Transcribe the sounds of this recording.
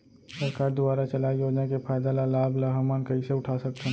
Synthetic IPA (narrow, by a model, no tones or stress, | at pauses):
sɐɾkaːɾd̪ʊbaːɾat͡ʃɐlaːijoːd͡ʒnakepʰaːjd̪alalaːblaɦamaːnkɐɦiseʊʈʰaːsɐkt͡ʃʰã